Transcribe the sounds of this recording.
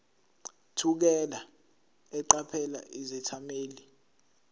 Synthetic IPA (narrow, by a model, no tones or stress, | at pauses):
tʰuk̬ɛla | ɛǃapʰɛla̰ʔizɛtʰameːli